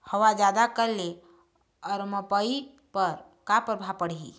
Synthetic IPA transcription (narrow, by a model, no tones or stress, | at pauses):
həwad͡ʒad̪akəɾle | ɔɾməpəi | pəɾ | kapəɾbʱapəɽɦḭ